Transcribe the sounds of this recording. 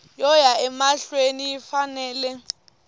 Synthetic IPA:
jɔjaɛmaɬwenijifanɛːlɛ

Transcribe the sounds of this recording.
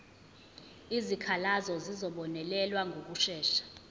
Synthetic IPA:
izikʰalazɔzizɔɓɔnɛlɛlwaŋɡʱok̬uʃɛːʃḁ

